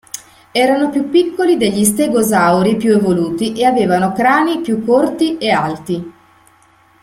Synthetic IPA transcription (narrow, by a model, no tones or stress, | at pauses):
ɛːɾanopjupːikːolid̪eʎːist̪eɡozawɾipjuevoluːt̪iʔeaveːvanokɾaːnipjukːort̪iealt̪i